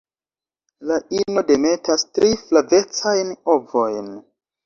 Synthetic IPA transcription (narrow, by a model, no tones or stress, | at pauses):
laʔino̞de̞me̞tastɾiflave̞t͡sajno̞vo̞jn